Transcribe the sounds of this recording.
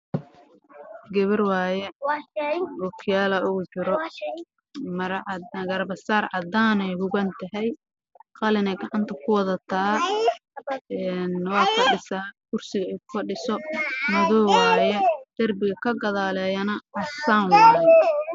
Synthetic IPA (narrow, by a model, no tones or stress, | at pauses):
ɡɐβɐrwɑːjɛ | bʊkʰjaːlɐʊɣʊt͡ʃɪɾɔ | mɐɾɡɐrbɐsaːrʕɑd̪aːnɛjhʊɣɐnt̪ʰɐɦɛj | qɑlɪnɛɡɑʕɑnt̪ʰɐkʰʊwɑðɐt̪ʰɐː | ɛnwɑːkʰɐɖɪsɐːkʰʊrsɪɣɐɛjkʊ̥fɐɖɪsɔmɐðɔːwɑːjɛd̪̥ɐrbɪɣɐkʰɐɡɐðaːlɛːjɐnɐɐsaːŋwaːjɛ